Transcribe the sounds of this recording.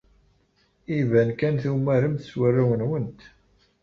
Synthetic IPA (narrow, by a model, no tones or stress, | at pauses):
ivænkænθumæɾəmθəswərːawənwənt̪